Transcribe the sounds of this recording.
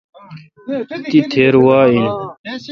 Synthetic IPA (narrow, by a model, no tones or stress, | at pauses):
t̪it̪ʰeːɾwaːin